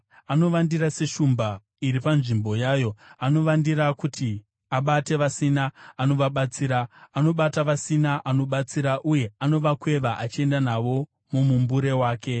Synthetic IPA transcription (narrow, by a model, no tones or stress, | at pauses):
ano̞ʋandiɾase̞ʃumba | iɾipanʐimbo̞jaːjo̞ano̞ʋandiɾakutʰi | aɓate̞ʋasinaːno̞ʋaɓat͡siːɾaːno̞ɓataʋasinaʔano̞ɓat͡siɾaʔuje̞ano̞ʋakwe̞ʋaʔat͡ʃie̞ndanaʋo̞ | mumumbuɾe̞waːke̞